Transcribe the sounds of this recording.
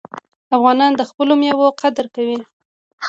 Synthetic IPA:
afɣɑnɑnd̪əxpəlomjɑwoqad̪ɾkawi

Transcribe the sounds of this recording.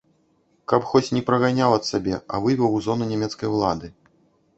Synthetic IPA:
kɐpxɔt͡sʲnʲɛpɾɐɣanʲawɐt̪sabʲɛɐ̰vɨvʲɛwzɔnunʲɛmʲɛt̪skɐjwlˠa̰d̪ɨ

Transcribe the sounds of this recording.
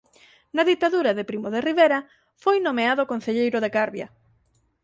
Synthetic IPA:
nɐðit̪aðuɾɐðepɾimoðeriβeɾɐ | fojnomeaðokon̟θeʎejɾʊðeɣaɾβjɐ

